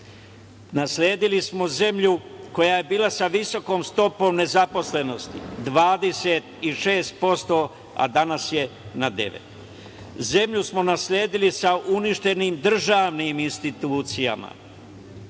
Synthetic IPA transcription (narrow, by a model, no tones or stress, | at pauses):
naslʲeːd̪ilismo̞ze̞mʎuko̞jaje̞biːlˠasaʋiso̞ko̞ːmst̪o̞po̞ːmne̞zapo̞sle̞no̞st̪ḭd̪ʋaːd̪e̞set̪iʃe̞ːst̪̚po̞st̪o̞ | a̰d̪anasje̞nad̪e̞̰ʋḛt̪ | ze̞mʎusmo̞nasʎʲeːd̪ilisaʔuniʃt̪e̞niːmd̪r̩ʒaːʋniːminst̪it̪uːt̪sija̰ma̰